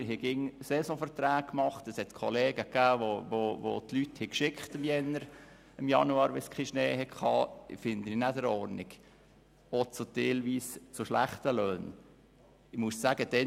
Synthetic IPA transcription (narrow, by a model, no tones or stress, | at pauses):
ɦɛɡɪŋsɛsɔ̃fəɾt̪ɾæːkkmɑχt̪əshɛt̪kʰɔleːɡəkːæːʋoʋoʋo̰t̪lyt̪hɛkʃɪkχt̪ɪmjɛnːəɾ | ɪmjɑ̰nuɑːɾʋɛskʰχiʃneːhɛkʰɑ̰ːɪfɪnd̪əninæd̪əɾɔɾnɪɡ̥ | ot͡sut̪elʋiːst͡sʊʃlæχt̪əløːn | ɪmussæɡ̥əd̥̪ɛ